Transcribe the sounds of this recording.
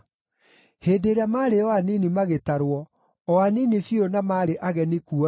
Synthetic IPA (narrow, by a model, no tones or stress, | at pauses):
heːdeɾeamaːɾeɔwaninimaɣetaɾwɔ | ɔaninifjonamaɾeʔaɣɛnikuɔ